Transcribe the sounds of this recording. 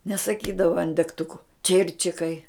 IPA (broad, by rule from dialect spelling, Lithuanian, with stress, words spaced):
nʲɛsɐˈkʲiːdɐʋɐ ɐn dʲɛkˈtʊkʊ ˈt͡ʃʲɪrʲt͡ʃʲɪkɐɪ